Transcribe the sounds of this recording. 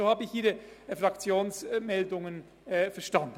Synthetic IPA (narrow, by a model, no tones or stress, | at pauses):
ohaːbəɪçʔiːɾəfʁakt͡sjoːnsmɛldʊŋən | fɛɐʃtand̥